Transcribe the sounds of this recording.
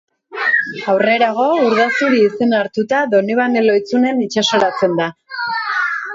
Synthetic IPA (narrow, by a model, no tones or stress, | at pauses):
awre̞ɾaɣ̞o̞uɾðasuɾiːse̞naɾt̪ut̪aðo̞niβ̞anelo̞jt͡sune̞nit͡ʃaso̞ɾat͡se̞nd̪a